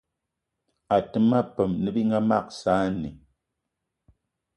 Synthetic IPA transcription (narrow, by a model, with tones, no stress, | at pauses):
a˨tɨ˦ma˦pə˨mnɨ˦bi˦ŋa˦ma˦˨k̚saː˦nḭ˨